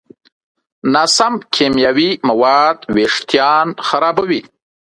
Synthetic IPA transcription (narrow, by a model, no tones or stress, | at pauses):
nasamkʰemjɑːwimawɑːd̪weʂt̪jɑːnxaɾɑːbawi